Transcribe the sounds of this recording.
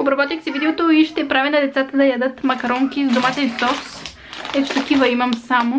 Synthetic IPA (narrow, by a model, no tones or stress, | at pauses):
obɾɐbɔt̪ixsɛvid̪ɛot̪oiʃt̪ɛpɾavinɐd̪ɛt̪sat̪əd̪ɐjad̪ɤt̪mɐkɐɾɔŋkʲizd̪omat̪ɛnsɔs | ɛt̪t͡ʃɛ̥t̪ɐk̟ivɐimɐmsamo